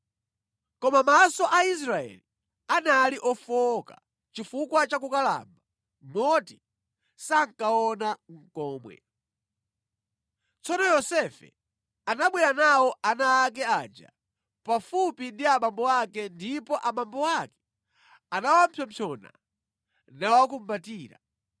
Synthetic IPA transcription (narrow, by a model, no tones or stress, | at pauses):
kɔmamasɔʔais̬ɾaɛ̰li | analiʔɔfɔka̰ | t͡ʃifukwat͡ʃakukala̰mba | mɔti | saŋ̩kaɔnaŋ̩kɔːmwɛ̰ | t͡sɔnɔjɔsɛfɛ̰ | anaɓwɛɾanawɔʔanaːk̬ɛaːd͡ʒa̰ | pafupindiaɓambɔwakɛndipɔʔaɓambɔakɛ̥ | anawam̩pʰjɔmpʰɔna̰ | nawak̬um̩batiːɾa̰